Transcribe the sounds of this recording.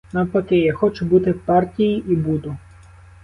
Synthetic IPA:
nɐpɔkɪjaxɔt͡ʃʊbut̪ɪpɑrtʲijiʔibud̪ʊ

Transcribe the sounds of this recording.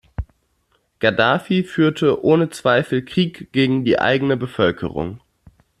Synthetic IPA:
ɡ̥adaːfifyːɐtʰəʔoːnət͡sv̥aɪfl̩kʁ̥iːkɡ̥eːɡŋ̩diːʔa̰ɪɡənəbəfœlkʰə̰ʁʊ̰ŋ

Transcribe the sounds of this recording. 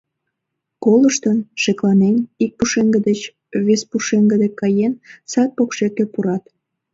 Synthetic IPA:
koləʃt̪ənʃeklɑnenik̚puʃeŋɡəd̪et͡ɕ | βespuʃeŋɡəd̪ekɑjensɑt̪̚pokʃekepuɾɑt̪

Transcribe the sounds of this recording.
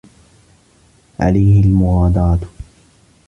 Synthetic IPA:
ʕa̰lajhɪlmʊɣɑːd̪ɑːt̪

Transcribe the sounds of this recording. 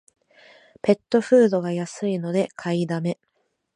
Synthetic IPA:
pe̞t̪ːo̞ɸɯːd̪o̞ɡajasɨino̞d̪e̞kʰaid̪ame̞

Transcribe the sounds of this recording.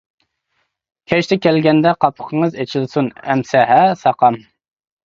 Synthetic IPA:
kʲʰɛʃt̪ʰɛkʲʰɛlɡʲɛnd̪ɛqʰɑpʰə̥qʰəŋəzet͡ʃʰilsunɛmsɛɦɛsɑqɑm

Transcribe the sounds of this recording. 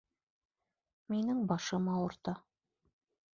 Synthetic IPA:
minɘŋbɑʃɤmɑwɤ̆ɾt̪ɑ

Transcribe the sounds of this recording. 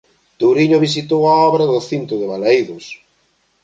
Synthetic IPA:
t̪owɾiɲoβis̬it̪owaɔβɾaðʊθint̪ʊðɪβalajðʊs

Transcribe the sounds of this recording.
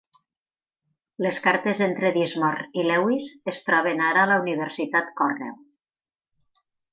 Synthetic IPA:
leskaɾt̪ezent̪ɾeðizmɔrilɛwizest̪ɾɔβ̞enaɾaːlauniβ̞eɾsit̪at̪kɔrnɛ̰w

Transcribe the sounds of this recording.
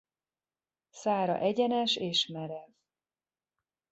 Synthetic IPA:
saːɾɒ̰ʔɛɟɛnɛʃeːʃmɛɾɛv

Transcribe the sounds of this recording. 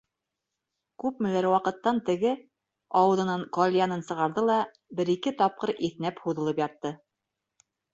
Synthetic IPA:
kʉp̚mɘ̆læɾwɑqɤ̆t̪ːɑnt̪ɘ̆ɡɘ | ɑwɤ̆ðɤ̆nɤɴqolʲjanɤnsɤ̆ʁɑɾðɤlˠɑ | bɘ̆ɾikɘt̪ɑp̚qɤɾiθnæphuðɤ̆lˠɤpjɑt̪ːɤ

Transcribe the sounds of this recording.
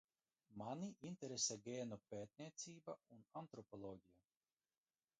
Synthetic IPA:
manʲiʔint̪ʲɛɾesɛɡʲeːnupeːt̪̚ʲniɛt̪siːbaunant̪ɾɔpɔlˠɔːɡʲija

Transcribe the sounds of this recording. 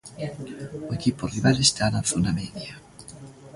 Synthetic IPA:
oekiporiβalest̪anaθonamɛðja

